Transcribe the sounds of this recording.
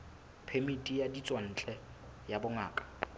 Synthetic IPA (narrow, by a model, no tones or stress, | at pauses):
pʰemitʼijadit͡sʼwan̩ːt͡ɬʼɛ | jabʊŋaːkʼḁ